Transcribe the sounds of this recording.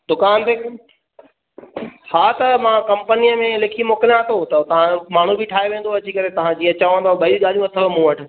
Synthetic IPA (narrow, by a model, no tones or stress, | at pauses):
d̪ʊkaːnt̪eː | haːt̪ɐmãkɐ̃mpənijəmẽlɪkʰimoːkəljãt̪ʰot̪ɐt̪ɐʋ̤ãmaːɳ̤ũbɪʈʰaːeʋẽːnd̪oɐd͡ʑikɐɾet̪ɐʋ̤ãd͡ʑiːɐt͡ɕaːʋə̃nd̪aːɓɐiɠaːlijũʋɐt̪ʰəlomũːʋɐʈʰɪ̆